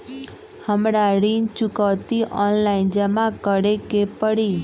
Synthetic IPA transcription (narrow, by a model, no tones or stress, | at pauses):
həmɾaɾint͡ʃukəwt̪iʔɔnlaind͡ʒəmãkəɽekepəɽi